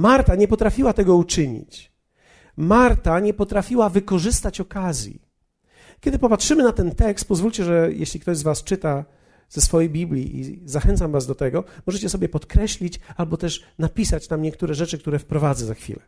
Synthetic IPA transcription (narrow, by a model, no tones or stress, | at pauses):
maɾt̪aɲɛpɔt̪ɾafʲiwat̪ɛɡɔut͡ʂɘɲḭt͡ɕ | maɾt̪aɲɛpɔt̪ɾafʲiwavɘkɔʐɘst̪at͡ɕɔkazʲjḭ | kʲɛd̪ɘpɔpatʂɘmɘnat̪ɛnt̪ɛkst̪̚pɔzvulʲt͡ɕɛʐɛjʔḛɕlʲikt̪ɔʑzvast͡ʂɘt̪a | zɛsfɔjejbʲiblʲḭʔḭzaxɛnt̪samvazd̪ɔt̪ɛɡɔmɔʐɛt͡ɕɛsɔbʲjɛpɔt̪kɾɛɕlʲit͡ɕalbɔt̪ɛʂnapʲisat͡ɕnamɲɛk̚t̪uɾɛʐɛt͡ʂɘkt̪uɾɛfpɾɔvad̪zɛzaxfʲḭlɛ